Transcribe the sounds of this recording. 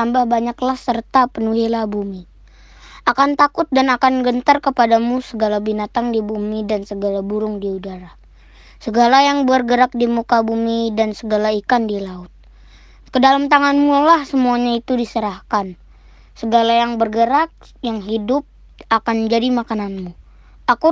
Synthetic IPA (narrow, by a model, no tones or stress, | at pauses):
ambahbaɲaklahsərt̪apənuɦilahbumi | akant̪akʊt̪̚danakanɡənt̪ərkəpadamusəɡalabinat̪aŋdibumidansəɡalabuɾʊŋdiudaɾa | səɡalajaŋbərɡəɾak̚dimukabumidansəɡalaikandilaʊt̪̚ | kədalamt̪aŋanmulahsəmuaɲait̪udisəɾahkan | səɡalajaŋbərɡəɾak̚ | jaŋɦidʊp̚ | akand͡ʒadimakananmu | aku